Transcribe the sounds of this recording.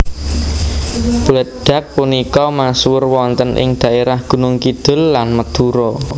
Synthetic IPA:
b̥ulət̪̚ɖ̥a̤k̚punikɔmaswʊrwɔnt̪ənʔɪ̰ŋd̪̥ä̤ʔeɾahɡ̥ṳnʊŋkid̪̥ʊ̤lːanməd̪̥uɾɔ

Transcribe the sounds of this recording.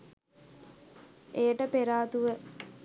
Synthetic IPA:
ʔejəʈəpeɾaːt̪uʋə

